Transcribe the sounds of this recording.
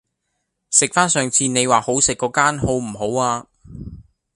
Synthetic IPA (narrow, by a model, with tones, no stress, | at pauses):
sɪ˨k̚faː˥nsœː˨˧ŋt͡sʰiː˧ne˨˧jwaː˨˩ho˨˥wsɪ˨kːɔː˨˧˥kaː˥nho˨˥wm̩˨˩ho˨˥waː˧